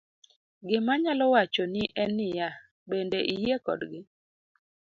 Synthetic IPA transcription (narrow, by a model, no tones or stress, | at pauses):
ɡɪmaɲalɔwat͡ʃɔnɪʔɛnɪja | bendeʔijekɔ̰dɡɪ